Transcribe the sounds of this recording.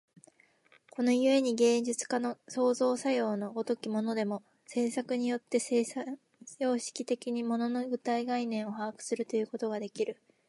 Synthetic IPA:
ko̞no̞jɯ̟e̞ɲ̟iɡẽ̞ːɲd͡ʑit͡sɨ̥kanoso̞ːzo̞ːsajo̞ːno̞ɡot̪o̞kʲimo̞no̞d̪e̞mo̞ | se̞ːsakɯ̟ɲ̟ijo̞t̪ːe̞s | jo̞ːɕi̥kʲit̪e̞kʲiɲ̟imo̞no̞no̞ɡɯ̟t̪aiɡainẽ̞ɰ̃o̞hakɯ̟̥sɨɾɯ̟t̪o̞jɯ̟ːko̞t̪o̞ɡad̪e̞kʲiɾɯ̟

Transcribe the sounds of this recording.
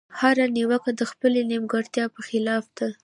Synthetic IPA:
haɾaniwakad̪əxpəlenimɡaɽt̪jɑpəxɪlɑfd̪̥a

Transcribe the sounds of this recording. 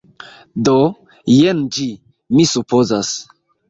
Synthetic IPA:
do | jend͡ʒi | misupozas

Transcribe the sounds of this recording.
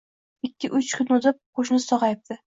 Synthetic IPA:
ɪkʲːɪʔʊt͡ʃkʲʰʊnotzɪp̚qʰoʃnɪsɒʁɑjɪp̚t̪ɪ

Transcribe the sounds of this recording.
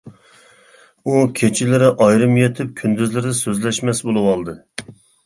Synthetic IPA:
ukʲʰet͡ʃʰɪlɪɾɪʔɑjɾɨmjet̪ʰɪp̚kʲʰynd̪yzlɪɾd̪ɛsøzlɛʃmɛsbolˠɨwɑlˠd̪ɨ

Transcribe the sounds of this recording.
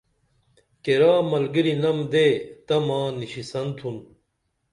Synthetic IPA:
keɾaːmɐlɡiɾinɐmd̪et̪ɐmaːniɕisɐnt̪ʰun

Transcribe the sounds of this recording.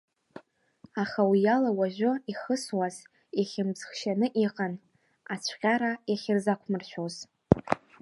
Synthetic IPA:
aχawijalawaʒʷᶣʊiχəswaz | aχʲɪmbz̥χʃanɨʔiqʼan | at͡ɕʷʰqʲʼaɾajaχʲɪrzakʷʰmɨrʃʷᶣoz

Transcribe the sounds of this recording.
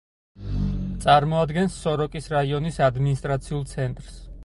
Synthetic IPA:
t̪sʼaɾmɔad̪ɡɛnsːɔɾɔkʼisɾaiɔnisad̪minist̪ʼɾat̪sʰiulˠt̪sʰɛnt̪ʼɾs

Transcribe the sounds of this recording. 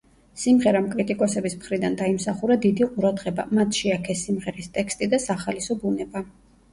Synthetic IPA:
simʁɛɾamkʼɾit̪ʼikʼɔsɛbismχɾid̪and̪aimsaχuɾad̪id̪iqʼuɾad̪ʁɛba̰mat̪ʰʃiakʰɛsimʁɛɾist̪ʼɛkst̪ʼid̪asaχalisɔbunɛba

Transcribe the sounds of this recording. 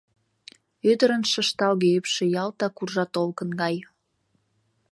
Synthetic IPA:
ød̪əɾənʃə̆ʃt̪ɑlɣeypʃĕjɑlt̪ɑkurʒɑt̪olkənɡɑj

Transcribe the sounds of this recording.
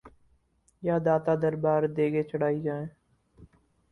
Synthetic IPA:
jaːd̪aːt̪aːd̪əɾbaːɾd̪eːɡeːt͡ʃəɽ̤aːiːd͡ʒaːẽː

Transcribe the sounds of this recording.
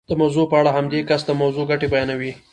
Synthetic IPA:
d̪̥əmawzopəaɽaɦamd̪ekasd̪əmawzoɡaʈebajɑnawi

